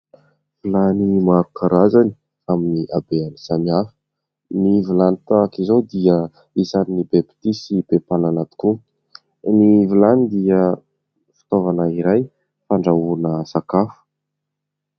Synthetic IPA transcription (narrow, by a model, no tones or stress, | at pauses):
vilanimaɾukaɾazani̥ | aminiʔabeanisamiafə̥ | nivilanit̪akizowd̪iə | isaninibepi̥t̪isib̥epananat̪i̥ku | nivilanid̪iə | fi̥t̪ovanəiɾaj | faɳɖ͡ʐaunəsakafu̥